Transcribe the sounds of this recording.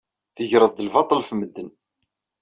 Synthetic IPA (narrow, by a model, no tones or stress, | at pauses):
θəʝɾəðd̪əlvɑt̪ˤəlfməd̪ːən